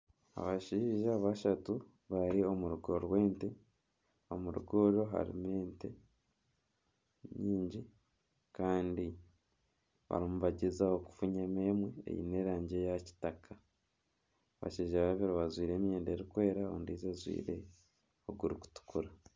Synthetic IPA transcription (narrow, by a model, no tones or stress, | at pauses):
a̰βaʃiːʒaβaʃatu | βaɾio̞muɾuɡoɾwe̞ːnte | o̞̰muɾṵɡoɾo̞ɦa̰ɾḭmeːnte̞ | ɲiːɲɟi | kaːndi | βa̰ɾimuβaɟezaoku̥fuɲemeːmweḛjḭne̞ːɾaːɲɟe̞jaci̥takʰa | βa̰ʃiːʒaβaβeɾoβazwiːɾe̞ːmjeːndeɾikwe̞ːɾaoːndizazwḭːɾe̞̰ | oɡuɾuku̥tu̥kuɾa